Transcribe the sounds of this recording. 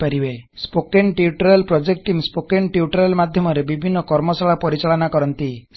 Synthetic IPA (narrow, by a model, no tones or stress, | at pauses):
aɾibespokeɳʈiuʈɔɾalpɾɔd͡ʒek̚ʈʈimspokeɳʈiuʈɔɾalmad̪ʱjɔmɔɾebibʱinːɔkɔɾmɔsaɭapɔɾit͡ʃaɭɔnakɔɾɔnt̪i